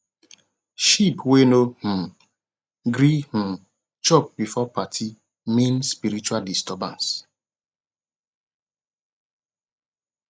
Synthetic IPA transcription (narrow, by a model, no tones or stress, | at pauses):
ʃipwenoh̩ | ɡɾih̩ | t͡ʃɔp̚bifɔpatʰi | mĩnspiɾit͡ʃualdistɔbã̰ns